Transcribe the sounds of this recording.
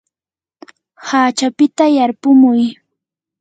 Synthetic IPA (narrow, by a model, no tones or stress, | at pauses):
haːt͡ʃapɪt̪ajaɾpʊmʊj